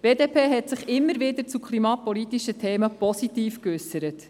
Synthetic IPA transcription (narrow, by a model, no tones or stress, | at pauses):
b̥eːdeːpʰeːɦɛtsɪχɪmːəɾʋɪdəɾt͡sukʰlimɑːpɔlit̪ːiʃətʰeːməpɔsit̪iːfkʏsəɾət